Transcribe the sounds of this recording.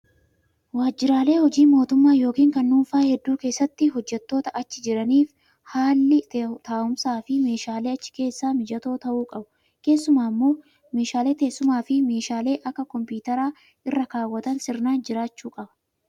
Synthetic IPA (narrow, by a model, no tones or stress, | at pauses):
waːd͡ʒːɪɾaːle̞ːhɔd͡ʒiːmːo̞ːt̪ʊmːaːjo̞ːkiːŋkɐnːuːnfaːhɛd̪ːuːke̞ːsːɐt̪ːɪɦɔd͡ʒːɛt̪ːo̞ːt̪ɐʔɐt͡ʃːɪd͡ʒɪɾɐniːf | haːlːɪt̪aːʊmsaːfɪme̞ːʃaːle̞ːɐt͡ʃːɪ̥ke̞ːsːaːmɪd͡ʒɐt̪o̞ːt̪ɐʔuːkʼɐbʊ | ke̞ːsːʊmaːmːoː | meːʃaːle̞ːt̪eːsːʊmaːfɪme̞ːʃaːle̞ːʔɐkːɐkɔmpuːt̪ɐɾaː | ɪrːɐkaːwːɐt̪ɐnsɪɾnaːnd͡ʒɪɾaːt͡ʃːuːkʼɐbɐ̥